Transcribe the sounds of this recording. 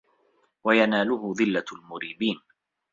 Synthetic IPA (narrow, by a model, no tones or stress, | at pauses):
wajanaːlʊhʊðˤɪlːalmʊɾiːbiːn